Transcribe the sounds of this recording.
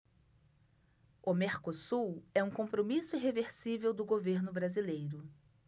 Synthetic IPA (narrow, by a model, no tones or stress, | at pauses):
ʊmeɾkosuwɛũkõmpɾomisʊiɦeveɾsivewd̪ʊɡoveɾnʊbɾazilejɾʊ